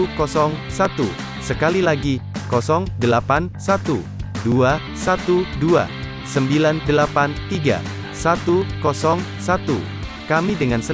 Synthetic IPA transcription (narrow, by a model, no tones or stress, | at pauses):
ukɔsɔŋsat̪ṵ | səkalilaɡikɔsɔŋdəlapansat̪u | dua | sat̪udua̰ | səmbilandəlapant̪iɡa̰ | sat̪ukɔsɔŋsat̪ṵ | kamidəŋansə